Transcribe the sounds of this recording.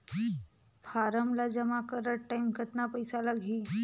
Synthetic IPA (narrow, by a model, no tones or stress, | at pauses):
faɾəmlad͡ʑəmakəɾəʈʈːajmkət̪napəjsalaɡʱiː